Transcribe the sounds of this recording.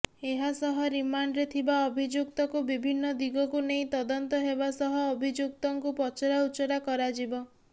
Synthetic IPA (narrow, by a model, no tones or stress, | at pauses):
eɦasɔɦɔɾimaɳɖɾet̪ʰibaɔbʱid͡ʒuk̚t̪ɔkubibʱinːɔd̪iɡɔkunej̃t̪ɔd̪ɔnt̪ɔɦebasɔɦɔːbʱid͡ʒuk̚t̪ɔŋkupɔt͡ʃɔɾaut͡ʃɔɾakɔɾad͡ʒibɔ